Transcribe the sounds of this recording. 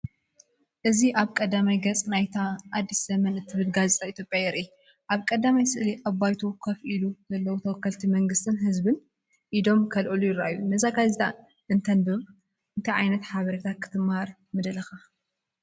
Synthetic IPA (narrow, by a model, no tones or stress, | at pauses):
ʔɨziʔaβkʼɐd̪amajɡɐt͡sʼnajt̪ʰaːd̪ːiszɐmɐnɨt̪ʰːɨβɨlɡazet̪ʼʰait̪ʰjopʼjajɛɾʔi | ʔaβkʼɐd̪amajsɨʔliʔɐβajt̪ʰukʰɐfʔiluzɐlːɐwut̪ʰɐwɔkːɐlt̪ʰimɐŋɡɨst̪ʰɨnɦɨzbɨn | ʔid̪o̞mkʰɐlʔɨlujɪɾaajːunɐzaɡazit̪ʰa | ʔɨnt̪ʰɐnbɨ | ɨnt̪ʰɐʕajnɐt̪ħaβɐɾet̪ʰakʰːɨ̥t̪ʰɨmaɾ | mɨd̪ɐlɐxa